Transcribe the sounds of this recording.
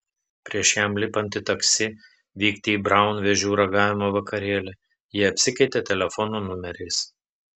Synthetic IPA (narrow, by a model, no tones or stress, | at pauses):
pʲɾʲiɛʃjæmlʲɪpɐnʲt̪ʲɪt̪ɐksʲɪ | ʋʲiːkt̪ʲɪiːbɾɑˑʊnʋʲɛʒʲuːɾɐɡɑːʋʲɪmoʋɐkɐɾʲeːlʲɛ | jiːɐpʲsʲɪkɐɪt̪ʲet̪ʲɛlʲɛfɔnuːnʊmʲɛɾʲɛɪs